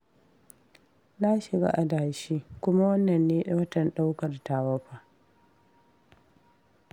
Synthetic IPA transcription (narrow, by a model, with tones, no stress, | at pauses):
na˦ʃɪ˨ɡa̰˦ʔa˨daː˨ʃiː˦kʷʊ˦ma˦wɐ˦nːɐ˨nːeː˦ɗa˦wɐ˦tɐ˨nɗa˦wkɐ˨rtaː˨wɐ˦ɸaː˨